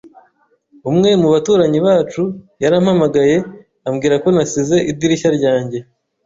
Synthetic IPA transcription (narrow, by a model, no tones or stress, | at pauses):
umŋe̞muβatuːɾaɲiβaːt͡ʃujaɾaːmhamaɡaje̞ | amɡiːɾako̞nasize̞ʔiddiɾiçaɾɟaːɲɟe̞